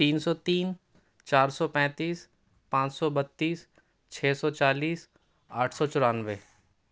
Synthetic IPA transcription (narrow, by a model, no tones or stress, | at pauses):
iːnsɔːt̪iːn | t͡ʃaːɾsɔpɛ̃ːt̪iːs | pãːt͡ʃsɔbət̪ːiːs | t͡ʃʰɛːsɔt͡ʃaːliːs | aːʈʰsɔːt͡ʃʊɾaːnʋeː